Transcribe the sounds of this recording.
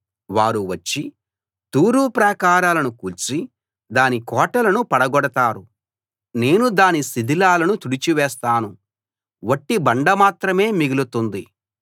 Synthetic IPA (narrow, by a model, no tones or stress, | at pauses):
ʋaːɾuʋɐt͡ʃːi | t̪uːɾuːpɾɐkaːɾaːlɐnukuːlt͡ʃi | d̪aːnikɔːʈɐlɐnupɐɽɐɡɔɽɐt̪aːɾu | ne̞ːnud̪aːnisid̪ʱilaːlɐnut̪uɽit͡ʃiʋɛːst̪aːnu | ʋɐʈːibɐɳɖɐmaːt̪ɾɐme̞ːmiɡilut̪und̪i